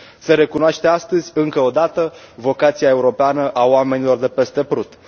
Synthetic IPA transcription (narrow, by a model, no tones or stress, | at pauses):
seɾe̞kunoaʃt̪e̞ast̪əzʲɨŋkəod̪at̪əvo̞kat̪siae̞uɾo̞peanəʔaoame̞nilo̞rd̪e̞pe̞st̪e̞pɾut̪